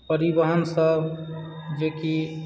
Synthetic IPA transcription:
pəɾibəɦənsəb | d͡ʒeki

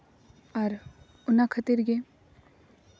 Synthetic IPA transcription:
ɐɾ | ʊnakʰət̪iɾɡe

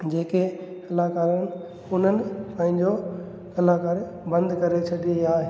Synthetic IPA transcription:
d͡ʑeːke | ɐlaːkaːɾəñɪ̆ | ʊn̤ənɪ̆pãːɦɪ̃ɲd͡ʑo | ɐlaːkaːɾ | bɐ̃nd̪kɐɾet͡ɕʰɐɗiaːɦe

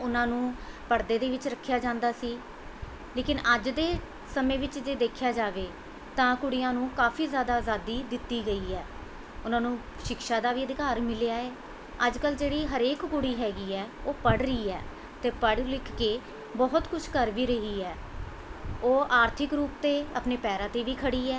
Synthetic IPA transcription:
ʊnãːnũː | pəɽd̪eːd̪eːʋɪt͡ʃɾəkʰːjaːd͡ʒãːnd̪aːsiː | leːkɪnəd͡ʒd̪eː | səmẽːʋɪt͡ʃd͡ʒeːd̪eːkʰjaːd͡ʒaːʋeː | t̪ãːkʊɽɪjãːnũːkaːfʰiːzjaːd̪aːzaːd̪iːd̪ɪt̪ːiːɡəiːɛː | ʊnãːnũː | ʃɪkʃaːd̪aːʋiːəd̪ɪkaːɾmɪlejaːeː | əd͡ʒkəld͡ʒeːɽiːɦəɾeːkkʊɽiːɦɛːɡiːɛːoːpəɽɾəiːɛː | t̪eːpəɽlɪkʰkːeː | bɔɦʊt̪kʊt͡ʃʰkəɾʋiːɾəɦiːɛː | oːʔaːɾt̪ʰɪkɾuːpt̪eːə̰pneːpɛːɾãːt̪eːʋiːkʰəɽiːɛː

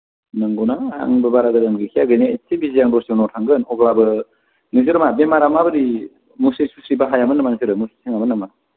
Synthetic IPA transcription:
nɯŋɡonaa̰ŋbɯbaɾaɡɯdamɡɯkʰijaɡɯneetːibizijaŋdɔsiŋnɔtʰaŋɡɯnɔɡlabɯ | nɯzɯɾɯmabemaɾamabɯɾi | musesusɾibaɦajamɯnːamansʰiɾɯmusi̥sʰiŋamɯnːama

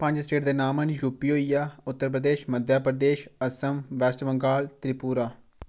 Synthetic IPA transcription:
pə̃ɲd͡ʒsʈeːʈd̪eːnaːmənjuːpːiːɦoːijaːʊt̪ːəɾp̬ɾəd̪eːʃməd̪ʱjaːpɾəd̪eːʃəsəmʋɛːsʈʋəŋɡaːlt̪ɾipuːɾaː

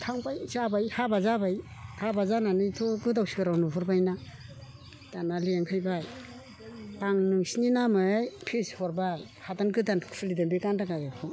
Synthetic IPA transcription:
tʰaŋpajzabajhabazabajhabazananɯjtʰoɡɯdawsikɯɾawnuɦɔɾbajna | d̥analiaŋkʰajbaj | aŋnɯŋsininamɯajpʰishɔɾbaj | hatankɯdanʰpʰɯlidambikandaɡajakʰɔ

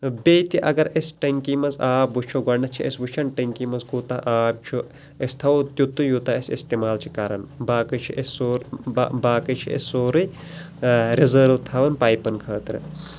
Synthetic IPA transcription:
bejt̪iʔɐ̰ɡɐɾesʈɐŋkimɐzaːbʋut͡ʃʰoɡɐnɐt͡ʃʰiɐsʋuʃʰɐnʈɐŋkimɐzkut̪ɐʔaːb̚t͡ʃʰu | est̪ʰɐʋot̪ʲjut̪ːujut̪ɐɐsist̪emaːlt͡ʃʰi̥kaɾɐnbaːkɨt͡ʃʰiʔesoɾbaːkɨt͡ʃʰiʔḛsːoːɾɨ | ɾizəːɾʋt̪ʰaːʋɐnpaːjpɐnkʰɐːt̪ɾɨ̰

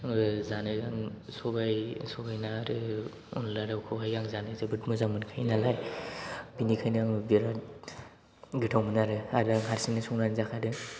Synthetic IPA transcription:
zanɯzaŋsɔbajsɔbajnaɾɯ | ṵnlaɾawkʰɔɦajɡaŋzanɯzabɯt̚mɯzamɯnkʰajnalaj | binikʰajnaŋbiɾa | ɡitʰawmɯnaɾɯaɾaŋɦaɾsinɯsɔŋnanzakʰaɾɯ

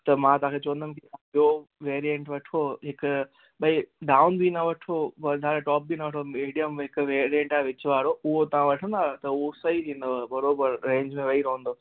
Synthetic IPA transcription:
t̪ɐmãt̪ɐʋãkʰet͡ɕɐʋə̃nd̪ʱənɪ̆kit̪ãbioʋeːɾijɛ̃ɳʈʋɐʈʰoɦɪkʊ | ɓɐiɖaːʊnbinɐʋɐʈʰoʋɐd̪ʱaːɾeʈɔːp̚binɐʋɐʈʰomiːɖijəmɦɪkʋeːɾiɛ̃ɳʈaːeʋɪt͡ɕʋaːɾoʊɦot̪ɐʋ̤ãʋɐʈʰə̃nd̪aːt̪ɐʊɦosɐit̪ʰĩːn̆d̪obɐɾoːbəɾɾẽːɲd͡ʑmẽʋɐiɾɐɦə̃nd̪oː

